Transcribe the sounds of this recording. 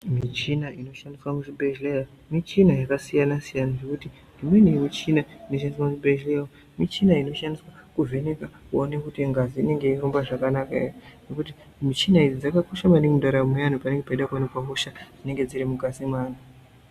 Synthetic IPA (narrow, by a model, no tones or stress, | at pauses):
mit͡ʃinaino̞ʃandiswamuʐibʱeʒleja | mit͡ʃinajakasijanasijanaʐe̞kuti | imwenimit͡ʃinaino̞ʃandiswamuʐibeʒlea | mit͡ʃinaino̞ʃandiswakuve̞nekakuone̞kutiŋɡaziːne̞ŋɡe̞irombaʐakanakaionokuti | mit͡ʃinaid͡zid͡zakakuʃamaneɡmudaɾamejan̤opane̞ŋɡepaiɗakanopakuʃad͡zine̞ŋɡe̞d͡ziɾimukazimwaːna